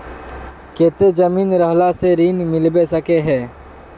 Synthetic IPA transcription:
keːt̪ed͡ʒəmiːnɾəɦlaseɾiːnmɪlbesəkeɦɛ̃ː

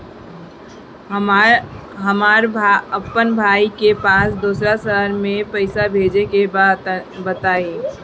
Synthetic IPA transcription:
ɦəmaːɾəpːənbʱaːikepaːsd̪uːsɾasəɦəɾmẽpəɪsabʱeːd͡ʒeke | bət̪aːiː

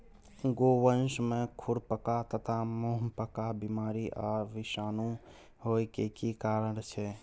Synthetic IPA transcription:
ɡoːʋənʃmẽkʰʊɽpəkat̪ət̪ʰamoɦmpəkabimaːɾiʔɔːɾʋɪʃaːnũ | hoːikekikaːɾəɽ̃t͡ʃʰɛ

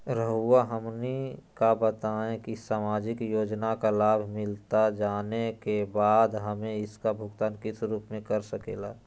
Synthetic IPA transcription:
ɾəɦuaɦəmnikabət̪aẽkisaːmaːd͡ʒɪkjoːd͡ʒnakalaːbʱmɪlt̪ad͡ʒaːnekebaːd̪ɦəmẽɪskabʱʊɡt̪aːnkɪsɾuːpmẽkəɾsəkḛːlaː

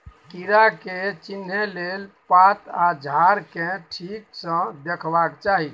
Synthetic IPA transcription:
kiɾaket͡ʃinɦelelpat̪ad͡ʒʱaɾkeʈʰiksə̃d̪ekʰbakt͡ʃaɦi

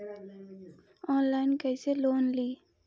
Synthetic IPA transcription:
ɔ̃ːnlaɪnkɐɪseloːnliː

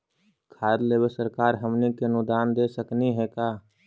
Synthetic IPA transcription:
kʰaːd̪leːbesəɾkaːɾɦəmnikenʊd̪aːnd̪esəkniɦɛkaː

